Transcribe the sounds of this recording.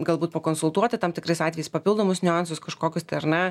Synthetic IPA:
ɡɐlˠbuːt̪̚pɐkoːnsʊlˠt̪uɔt̪ʲɪt̪ɐmt̪ʲɪkɾɐɪsɑːt̪ʲɛjɛɪspɐpʲɪlˠd̪oːmʊsnʲʊɑnsʊskɐʃkoːkʲʊst̪ɪɐrnʲɛ

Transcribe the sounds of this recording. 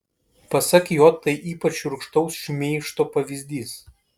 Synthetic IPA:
pɐsɐkʲjoːt̪ːɐɪʔiːpɐt͡ʃʲʊɾkʃt̪ɐʊsʃʲʊmʲeɪʃt̪oːpɐʋʲizʲd̪ʲiːs

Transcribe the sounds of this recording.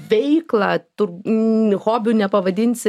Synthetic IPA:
ʋʲɛɪklˠɐt̪ʊɾhoːbʲʊnʲɛpɐʋɐd̪ʲɪnʲsʲɪ

